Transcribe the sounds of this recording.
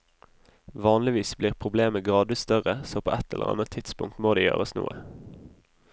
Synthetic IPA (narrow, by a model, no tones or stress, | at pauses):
ʋɑːnlɪʋiːsbliːʁpʰʁʊbleːməɡʁɑːd̪ʋɪst̪œʁəsoːpʰo̰ːʔɛt̪ʰɛ̰lʔə̰ʁɑ̰nətt̪ʰɪd̪spʊ̰ŋkt̪moːd̪eːjø̰ːʁəsnṵːə